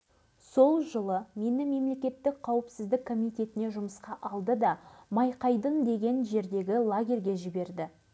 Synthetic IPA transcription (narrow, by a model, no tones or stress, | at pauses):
so̞lˠʒəlˠəme̞nɪme̞mle̞kʲe̞t̪ːɪk̚qʰɑwəpsɪzd̪ɪkkʰːo̞mʲijt̪e̞t̪ɪneʒʊməsqɑʔɑlˠd̪əd̪ɑmɑjqɑjd̪ənd̪e̞ɡʲe̞nʒe̞ɾd̪e̞ɡʲɪlˠaɡʲe̞rʲɡʲe̞ʒɪbe̞ɾd̪ɪ